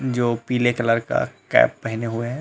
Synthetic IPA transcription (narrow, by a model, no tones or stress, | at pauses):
d͡ʒoːpiːlekɐləɾka̰kɛ̰ːpːɛɦɪneɦʊeɦ